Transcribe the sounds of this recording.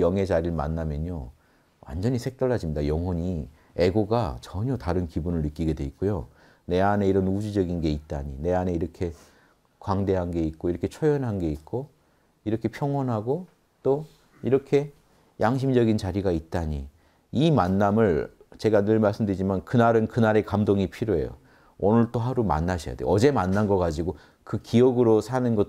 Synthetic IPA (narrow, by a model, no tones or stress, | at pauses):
jʌŋɦe̞d͡ʑaɾiɭma̰nːamjʌɲo | wʔa̰nd͡ʑʌɲisʰe̞k̚t͈aɭːad͡ʑimɲidajʌŋɦwʌɲi | e̞ɡoɡat͡ɕʌɲʌtaɾɯnkibunɯɭːɯk͈iɡe̞dwe̞it̚k͈ojo | ne̞ane̞iɾʌnud͡ʑid͡ʑʌɡinɡe̞it̚t͈a̰ɲine̞ane̞iɾʌkʰe̞ | kwaŋde̞ɦanɡe̞it̚k͈oiɾʌkʰe̞t͡ɕʰojʌnɦanɡe̞it̚k͈o | iɾʌkʰe̞pʰjʌŋwʌnɦaɡo | t͈o | iɾʌkʰe̞ | jʔaŋɕ̬ʰimd͡ʑʌɡint͡ɕaɾiɡait̚t͈aɲḭ | imanːamɯɭt͡ɕe̞ɡanɯɭmaɭs͈ɯmdɯɾid͡ʑimankɯnaɾɯnkɯnaɾe̞kamdoŋipʰiɾjoe̞̰jo̰ | onɯɭt͈oɦaɾuma̰nːaɕʰija̰deo̰ʌd͡ʑe̞manːanɡʌkad͡ʑiɡo | kɯkiʌɡɯɾosʰanɯnɡʌ